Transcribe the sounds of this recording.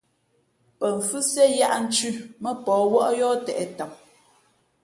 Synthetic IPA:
pə˨ɱ˨fʉ˦sjɛ˦ja˦ʔn̩˦t͡ʃʉ˦˨mə˦pɔː˨˦wɔ˦ʔjɔ˦tɛ˨ʔɛ˨ta˨m

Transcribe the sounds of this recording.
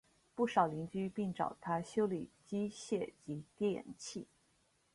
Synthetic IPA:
pu˥˩ʂɑ˨˩ʊli˧˥ŋt͡ɕy˥pi˥˩ŋʈ͡ʂɑ̰˨˩ʊt̪ʰa˥ɕjo˥ʊli˨˩t͡ɕi˥ɕjɛ˥˩t͡ɕi˧˥kɛ˥˩jɛ̰˨˩nt͡ɕʰi˥˩

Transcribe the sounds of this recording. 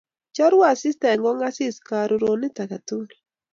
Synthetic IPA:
t͡ʃɔ˦ɾwa˦˨sɪ˦stɛ˨ŋɡɔ˦ŋa˦sɪ˦ska˨ɾu˨ɾo˨nɪ˦ta˨ka˨tu˦˨l

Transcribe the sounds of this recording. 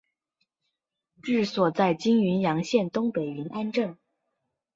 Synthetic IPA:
ʈ͡ʂɻ̩˥˩swɔ˨˩t͡sa˥˩ɪt͡ɕi˥ŋy˧˥njɑ˧˥ŋɕjɛ˥˩nt̪ʊ˥ŋpe˨˩ɪi˧˥nʔa˥nʈ͡ʂɤ˥˩ŋ

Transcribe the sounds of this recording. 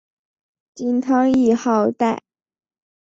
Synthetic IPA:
t͡ɕi˥nt̪ʰɑ˥ŋi˥˧xɑ˥˧ʊt̪a˥˩ɪ

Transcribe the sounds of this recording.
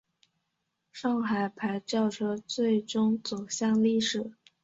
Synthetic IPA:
ʂɑ˥˩ŋxa˨˩ɪpʰa˧˥ɪt͡ɕjɑ˥˩ʊʈ͡ʂʰɤ˥t͡swe˥˩ɪʈ͡ʂʊ˥ŋt͡su˨˩ʊɕjɑ˥˧ŋli˥˩ʂɻ̩˨˩˦

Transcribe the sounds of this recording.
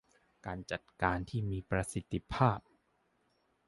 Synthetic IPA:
kaː˧nt͡ɕa˨˩t̪̚kaː˧nt̪ʰiː˥˩miː˧pɾa˧si˨˦t̪ʰːi˧pʰaː˥˩p̚

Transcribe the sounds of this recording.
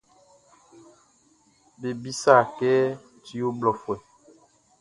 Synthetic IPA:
be˨bi˦sa˦˨kɛː˦ | ti˦wo˦blɔ˨fwɛ˨

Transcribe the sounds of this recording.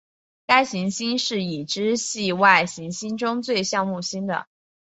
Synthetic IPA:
ka˥ɪɕi˧˥ŋɕi˥nʂɻ̩˥˩i˨˩ʈ͡ʂɻ̩˥ɕi˥˧wa˥˩ɪɕi˧˥ŋɕi˥nʈ͡ʂʊ˥ŋt͡swe˥˧ɪɕjɑ˥˧ŋmu˥˩ɕi˥nd̪ə̰˨

